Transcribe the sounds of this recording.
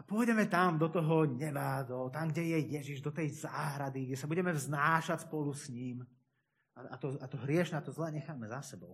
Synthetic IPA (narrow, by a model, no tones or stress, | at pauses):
apʊɔjdɛmɛt̪amd̪ɔt̪ɔɦɔɲɛbad̪ɔt̪amɡɟɛjɛjɛʒiʒd̪ɔt̪ɛjzaːɦɾad̪iɡɟɛsabuɟɛmɛvznaːʃacspɔlusɲiːm | aat̪ɔat̪ɔɦɾɪɛʃɲɛat̪ɔzlɛːɲɛxaːmɛzasɛbɔʊ